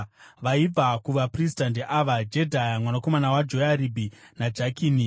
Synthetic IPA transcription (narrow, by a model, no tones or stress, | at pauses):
ʋaib͡vakuʋapris̬tandeʔaʋad͡ʒe̞dʱajamwanako̞manawad͡ʒojaɾibʱinad͡ʒakiːni